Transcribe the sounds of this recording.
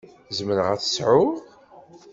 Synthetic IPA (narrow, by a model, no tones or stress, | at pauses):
zmənəʁæθə̥sʕʊ